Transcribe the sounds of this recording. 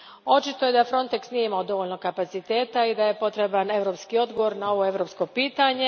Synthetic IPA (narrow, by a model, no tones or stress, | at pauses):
o̞t͡ʃit̪o̞je̞d̪afɾo̞nt̪e̞ksnijeimaod̪o̞ʋoʎnokapat̪sit̪eːt̪aid̪aje̞po̞t̪ɾe̞bane̞ʋɾo̞ːpskio̞d̪ɡo̞ʋo̞ɾnao̞ʋoe̞ʋɾo̞ːpsko̞piːt̪aɲe̞